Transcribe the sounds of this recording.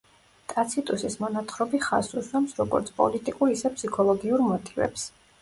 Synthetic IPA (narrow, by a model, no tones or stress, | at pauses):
t̪ʼat̪sʰit̪ʼusismɔnat̪ʰχɾɔbiχa̰suswamsɾɔɡɔ̰ɾt̪sʰpʼɔ̰lit̪ʼikʼuɾisɛpʰsikʰɔlˠɔɡiuɾmɔt̪ʼivɛ̰ps